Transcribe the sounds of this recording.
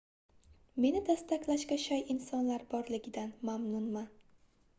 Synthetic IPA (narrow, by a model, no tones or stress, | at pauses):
me̞nɪd̪ast̪akʲlaʃkʲaʃajɪnsɒnlaɾbɒɾlɪɡʲɪd̪anmamnʊnma